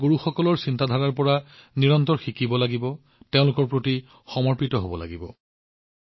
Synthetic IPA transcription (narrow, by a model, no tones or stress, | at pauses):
ɡuɹuxɔkɔlɔɹsintadʱaɹaɹpɔɹaniɹɔntɔɹxikibɔlaɡibɔ | teʊ̃lʊkɔɹpɹoti | xɔmɔɹpitɔɦobɔla̰ɡibɔ